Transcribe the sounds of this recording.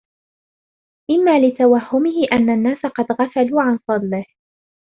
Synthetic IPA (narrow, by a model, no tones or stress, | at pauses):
ʔɪmːaːlɪt̪awahːʊmɪhɪʔanːanːaːsaqɑd̪ɣafaluːʕansˤɑd̪ˤlɪh